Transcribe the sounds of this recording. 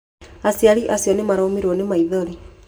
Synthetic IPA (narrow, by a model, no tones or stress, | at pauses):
asiaɾiʔasjɔnemaɾɔːmeɾɔnemaiðɔɾi